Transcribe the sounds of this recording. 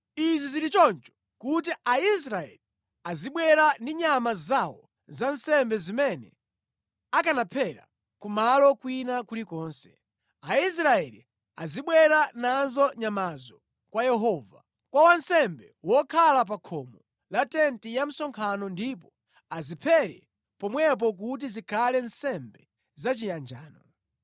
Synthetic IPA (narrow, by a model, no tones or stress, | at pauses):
iziziɾit͡ʃɔnt͡ʃɔ̥ | kut̬iais̬ɾaɛ̰li | aziɓwɛɾandiɲamazawɔ | zansɛmbɛzimɛnɛ̰ | akanapʰɛɾa̰ | kumalɔkwinakulikɔːnsɛ̥ | ais̬ɾaɛlḭ | aziɓwɛɾananzɔɲamazɔ | kwajɛɦɔːva | kwawansɛmbɛwɔkʰalap̬akʰɔmɔ | latɛntijam̩sɔŋkʰanɔndip̬ɔ | azipʰɛɾɛ | pɔmwɛp̬ɔk̬ut̬izikʰalɛnsɛmbɛ | zat͡ʃijand͡ʒaːnɔ